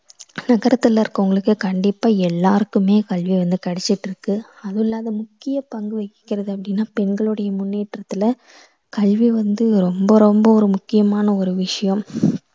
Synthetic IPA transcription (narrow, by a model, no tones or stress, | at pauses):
nɐɣɐɾɐt̪ːɐlːɐɾkːɐʊŋɡɐɭɯkːɯkɐɳɖɪpːaːɛlːaːɾɯkːɯmeːkɐɭʋiʋɐnd̪ɯkɐɽɛt͡ʃːɪʈːɪɾɯkːɯɐðɯlːaːðɐmʊkːɪjɐpɐŋɡɯʋɐɪkːɪ̥kːɪɾɐðɯɐpːɐɽɪnːaːpɛnɡɐɭɯɽɐjɐmʊnːeːʈrɐt̪ːɯlɐ | kɐɭʋiʋɐnd̪ɯɾɔmbɐɾɔmbɐɔɾɯmʊkːɪjɐmaːnɐɔɾɯʋɪʂɐjɐm